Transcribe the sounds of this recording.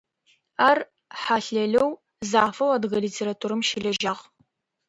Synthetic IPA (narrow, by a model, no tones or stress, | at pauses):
aːr | ħaɬɐɮɐw | zaːfɐwadɣɐliːtʰeːɾatʰuːɾɨmʃɪɮɐʒɐʁ